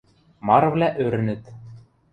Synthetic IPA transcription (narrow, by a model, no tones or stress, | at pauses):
mɑɾvlʲæʔøɾɘ̆nɘ̆t̪